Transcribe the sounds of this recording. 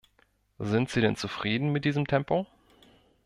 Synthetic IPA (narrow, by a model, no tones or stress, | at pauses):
zɪntz̥iːɾɛnt͡sufʁ̥iːdn̩mɪt̚d̥iːzəmtʰɛmpo